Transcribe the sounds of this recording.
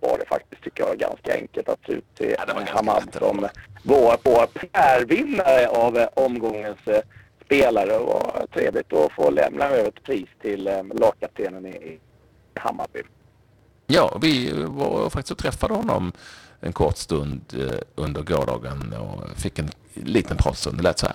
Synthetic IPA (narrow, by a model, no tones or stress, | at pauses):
vaɖɛfa̰k̚t̪ɪst̪ʰʏkːəjɑɡa̰nskaɛ̰ŋkəlt̪at̪sʉ̟ːt̪ʰːɪ̰d̪hamad̪sɔ̰mvoːpʰoːpʰæːɾvɪnːaɾəʔavʔɔmɡɔŋːənsː | peːlaɾəva̰t̪ʰɾeːvlɪt̪ɔfoːlɛ̰mnaøːvəɛt̪pʰɾiːst̪ʰɪllɑːkkat̪ʰeːnənɪɪ | ha̰mːa̰bʏ̰ | jɑːvɪvɑɾfakt̪ɪst̪ʰɾɛfːad̪əhɔnːɔ̰mʔɛ̰nkʰɔɾt̪st̪ɵnd̪ɵnd̪əɾɡoːɖɑ̰ːɡənɔ̰fɪkːɛn | liːt̪ʰənpʰɾɑ̰ːt̪st̪ɵ̰nd̪ɔlɛːt̪sɔhæ̰ː